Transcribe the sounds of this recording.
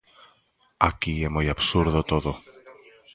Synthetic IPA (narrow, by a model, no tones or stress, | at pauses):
ɐciemoiapsuɾðot̪o̞ðo